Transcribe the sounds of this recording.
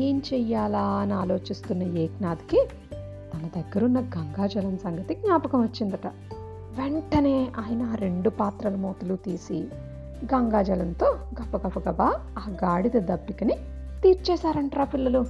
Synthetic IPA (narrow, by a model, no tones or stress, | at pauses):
eːnt͡ʃɛjːaːlaːɐniaːlo̞ːt͡ʃist̪unːɐeːknaːd̪iki | t̪ɐnɐd̪ɐɡːɐɾunːɐɡɐŋɡaːd͡ʒɐlɐmsɐŋɡɐt̪iɡɲaːpɐkɐmʋɐt͡ʃːind̪ɐʈɐ | ʋeɳʈɐne̞ːʔaːjɐnɐːɾe̞ɳɖupaːt̪ɾɐlumoːt̪ulut̪iːsi | ɡɐŋɡaːd͡ʒɐlɐnt̪o̞ːɡɐpɐɡɐpɐɡɐbaːaːɡaːɽid̪ɐd̪ɐbːikɐni | t̪iːɾt͡ʃɛːsaːɾɐɳʈɾaːpilːɐlu